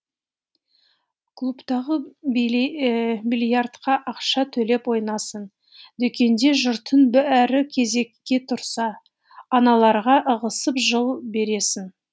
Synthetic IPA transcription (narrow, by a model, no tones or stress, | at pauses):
kʰlˠupt̪ɑʁə | milijart̪qɑʔɑqʃɑt̪ʰɵle̞pwo̞jnɑsən | d̪ekʲe̞nd̪e̞ʒʊɾt̪ʰənbææɾɪkʲʰe̞ze̞kʲːe̞t̪ʰʊɾsɑː | nɑlˠɑɾʁɑʔəʁəsəpʒəlˠbe̞ɾe̞sɪn